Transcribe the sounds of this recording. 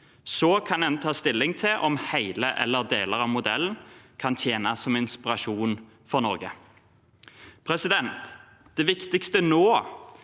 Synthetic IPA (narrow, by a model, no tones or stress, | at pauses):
sɔkʰɑnɛnt̪ʰɑːst̪ɪlːɪŋt̪ʰɪlʔɔmhæɪləʔɛ̰lːəʁd̪eːləʁɑʋmʊd̪ɛlːn̩kʰɑnt̪ʰjeːnɑsːɔmɪnspɪʁɑʂuːn | fɔʁnɔʁɡə̰ | pʰɾɛsɪd̪ɛnt̪ | d̪̥ɛʋɪkt̪ɪkst̪ənoː